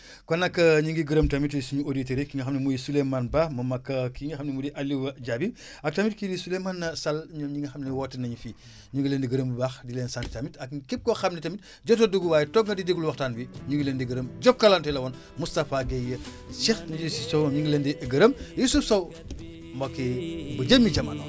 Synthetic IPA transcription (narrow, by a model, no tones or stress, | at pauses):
kɔnːɐkːɐɲiŋɡiɡəɾəmtamitsiɲuoditeɾekiŋɡɐxɐmnimujisulemanbamɐmɐkːɐkiŋɡɐxɐmnimudiʔalːiwɐɟabi | ɐk̚tɐmitkidisulemanːɐsɐlɲɔmɲiŋɡɐxɐmniwɔtːɐnɐɲufi | ɲuŋɡileːndiɡəɾəmbubaxdileːnsantitamitɐkkep̚kɔxɐmnitamit̚ | ɟɔt̬oduɡuwaːjtɔkŋɡɐdidiɡulwɐxtaːnbiɲuŋɡilendiɡɐɾəmɟɔp̚kɐlantɛlɐwɔn | mustafaɡejɐ | sɛxɲud͡ʒusisowɐɲiŋɡɐlendiɡɐɾəmjusufsɐw | mbɐkebɐɟəmːiɟɐmːano̰